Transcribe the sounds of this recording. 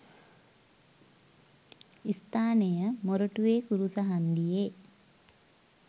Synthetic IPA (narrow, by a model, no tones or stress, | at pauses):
ist̪ʰaːnejəmoɾoʈuʋeːkuɾusəɦand̪ije